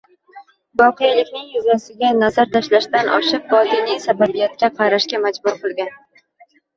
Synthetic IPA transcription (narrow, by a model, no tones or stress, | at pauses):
bɒqʰɨjlɪkʲnɪŋjʊzjasɪɡʲanazaɾt̪ʰaʃlaʃt̪anʔɒ̰ʃɨq̚bɒd̪inijsababijat̪̚kʲaqʰɑɾaʃkʲamad͡ʒbʊɾqɨlˠɡʲan